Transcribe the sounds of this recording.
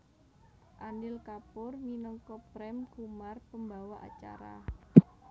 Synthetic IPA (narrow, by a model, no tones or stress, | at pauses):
ʔanɪlkapʊrminɔŋkɔpɾɛmɡ̥umarpəmbawɔʔa̰t͡ʃa̰ɾa̰